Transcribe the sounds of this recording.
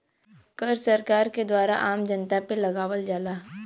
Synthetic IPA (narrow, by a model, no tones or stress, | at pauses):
kəɾsɐɾkaːɾked̪waːɾa̰ʔaːmd͡ʒənt̪apelɐɡaːʋəld͡ʒaːlaː